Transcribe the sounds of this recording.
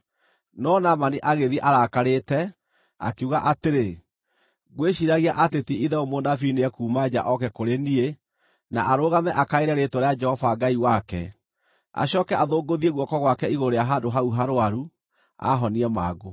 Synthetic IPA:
nɔnamaniʔaɣeðiɛʔaɾakaɾeːtɛ | a̰keuɣaʔateɾe | ɣweʃiɾaɣiaʔatetiiðɛomonafineɛkuːmad͡ʑa̰ʔɔkɛkoɾenie | naʔaɾoɣamɛʔakaeɾɛɾetoɾead͡ʒɛhɔvaɡaiwakɛ̰ | a̰ɕɔːkɛaðoːɡoðieɣwɔkɔɣwakɛiɣoɾeaɦandoɦauɦaɾoaɾu | a̰ɦɔniɛmaːɡo

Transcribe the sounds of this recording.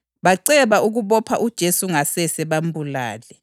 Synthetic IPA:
βaǀɛβauɣuβɔpʰa̰ʔud̥ʒ̥ʱesuŋasɛsɛβambʱula̰ːlɛ

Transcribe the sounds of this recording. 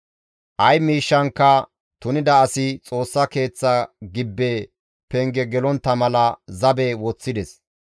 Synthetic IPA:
ʔɐjmiːʃːɐŋkːɐ | t̪ʊnɪd̪ɐːsɪt͡sʼo̞ːsːɐke̞ːt͡sːɐɡɪbːe | pɛŋɡɛɡɛlɔnt̪ːɐmɐlɐzɐbɛwɔt͡sːɪd̪ɛs

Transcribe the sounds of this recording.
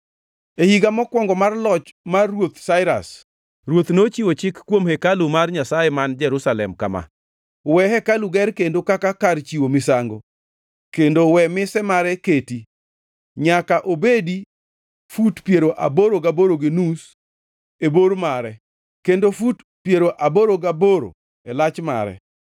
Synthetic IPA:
ehiɡamɔkwɔŋɡɔmarlɔt͡ʃmarːwot̪saɪɾa̰s | ɾwot̪not͡ʃiwot͡ʃɪkːwomhɛkalumarɲasajɛmand͡ʒɛɾusalɛ̰mkama̰ | wɛɦɛkaluɡɛɾkendokakakart͡ʃiwomɪsaŋɡo | kendowɛmɪsɛmaɾɛketi | ɲakaʔobedi | futpjeɾoʔa̰boɾoɡaboɾoɡenus | eboɾmaɾɛ | kendofut | pjeɾoʔaboɾoɡaboɾo̰ | ɛlat͡ʃma̰ɾɛ̰

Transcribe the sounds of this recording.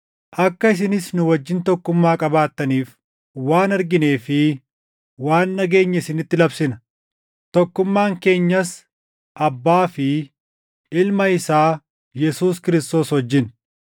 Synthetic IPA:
ʔɐkːɐɪs̬ɪnɪsnʊwɐd͡ʒːɪnt̪ɔkːʊmːaːkʼɐbaːt̪ːɐniːf | waːnɐɾɡɪneːfɪ | waːnːɐɡe̞ːɲːɐɪsɪnɪt̪ːɪlɐbsɪnɐ | t̪ɔkːʊmːaːŋke̞ːɲːɐs | ʔɐbːaːfɪ | ɪlmɐɪsaː | jɛsuːskɪɾɪst̪o̞ːshɔd͡ʒːɪn

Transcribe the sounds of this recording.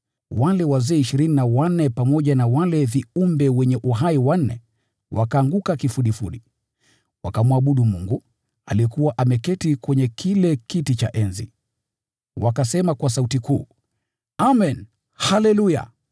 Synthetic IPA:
walɛwazɛːiʃiɾininawanɛpamɔʄanawalɛviumbɛwɛɲɛʔuɦaiwan̩nɛ̰ | wakaːŋɡukakifuɗifuɗi | wakamwaɓuɗumuŋɡu | aliɛkuwaʔamɛkɛtikwɛɲɛkʰilɛkitit͡ʃa̰ʔɛnzḭ | wakasɛmakwas̬autikuː | amɛn | halɛluja̰

